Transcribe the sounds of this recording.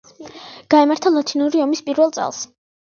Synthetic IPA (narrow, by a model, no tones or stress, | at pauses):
ɡ̥aɛmaɾt̪ʰalˠat̪ʰinuɾiɔmispʼiɾvɛlˠt̪sʼɛ̰lˠs